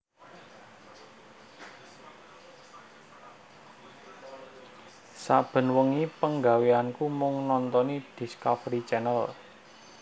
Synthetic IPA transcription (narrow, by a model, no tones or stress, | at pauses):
sa̰b̥ə̤nwəŋipəŋɡa̤weankumʊŋnɔnt̪ɔnid̪̥i̤skafɾit͡ʃɛnəl